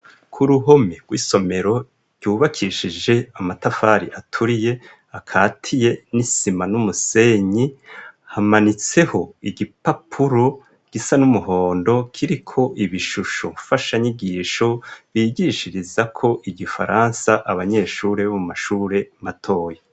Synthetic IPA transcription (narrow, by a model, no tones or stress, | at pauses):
kʰuɾuɦo̞meɡ̥wiːso̞me̞ɾo̞ | ɾɟ̥uːβakʰiʃid͡ʒe̞amatafaɾiʔatʰuɾije̞ | akʰaːtʰije̞nisimanumuse̞ɲihamanit͡se̞ho̞iɡipapʰuɾo̞ | ɡ̥isanumuho̞ːndo̞kʰiɾikʰo̞ʔiβiʃuʃo̰ɱfaʃaɲiɡiːʃo̞βiɟiʃiɾizakʰo̞ʔiɡifa̰ɾansaʔaβaɲe̞ːʃuːɾeβomumaʃuːɾe̞matʰo̞ːje